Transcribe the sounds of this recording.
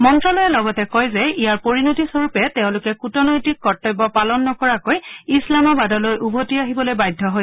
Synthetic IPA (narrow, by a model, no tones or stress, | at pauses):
mɔntɹɔlojɛlɔɡɔtɛkɔjzɛijaɹpoɹinotisoɹupɛtɛʊ̃lʊkɛkutɔnɔjtikːɔtːɔjbɔpalɔnːɔkɔɹakojislamɔbadɔlojʔubʱotiaɦibɔlojbajdʱːɔɦoj